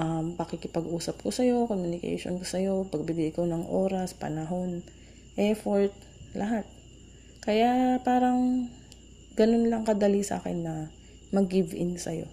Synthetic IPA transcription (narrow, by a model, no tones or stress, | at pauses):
ʔɐmpɐkɪkɪpɐɡʔuːsɐp̚kosɐjo̞komjʊnɪkɛ̰jʃo̰nkosɐjo̞pɐɡ̚bibɪlɪkonɐŋʔoːɾɐspɐ̰nɐɦo̞n | ʔɛfoɹt̪̚ | lʔɐɦat̪̚ | kɐjapaːɾɐŋ | ɡɐno̞nlɐŋkɐd̪ɐlisa̰ːkɛ̰nːɐ | mɐɡɪvɪ̰nsɐ̰jo̞̰